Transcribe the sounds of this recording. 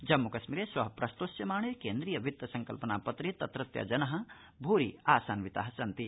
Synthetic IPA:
d͡ʒɐmːukɐsmiɾeːsʋɐɦɐpɾɐst̪oːsjɐmaːɳekeːnd̪ɾiːjɐʋit̪ːɐsɐŋkɐlpɐnaːpɐt̪ɾit̪ɐt̪ɾɐt̪jɐ̰d͡ʒɐnɐɦɐ̆ | bʱuːɾḭaːsaːnʋit̪a̰ːɦɐsɐnt̪i

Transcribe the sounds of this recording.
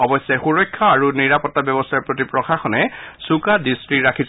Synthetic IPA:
ɔbɔsːɛxuɹɔjkʰːɔaɹuniɹapɔtːabjɔbɔstʰaɹpɹot̬ipɹɔxaxɔnɛsukadistɹiɹakʰis

